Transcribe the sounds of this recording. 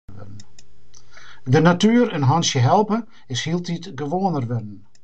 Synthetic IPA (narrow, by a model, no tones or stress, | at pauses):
ɪ̰dn̩ | dənatyəɾənɦɔnsjəɦɛlˠpə | ɪshilˠtʰitɡəʋoənərʋɪdən̩